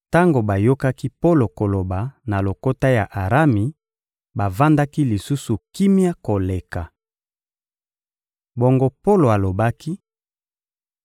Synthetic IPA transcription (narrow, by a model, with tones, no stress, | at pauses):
ta˦ŋɡo˨ba˨jo˦ka˦ki˦po˦lo˨ko˨lo˨ba˨na˨lo˨ko˦ta˦ja˨ʔa˨ʁa˦mi˨ | ba˨va˦nda˦ki˦li˨su˦su˨ki˦mja˦ko˨le˨ka˨ | bo˦ŋɡo˦po˦lo˨a˨lo˨ba˦ki˦